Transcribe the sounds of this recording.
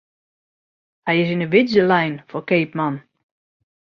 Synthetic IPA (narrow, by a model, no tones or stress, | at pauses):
hɛjɪs̬ɪnəʋɪdzəlɛjnfɔrkeːpman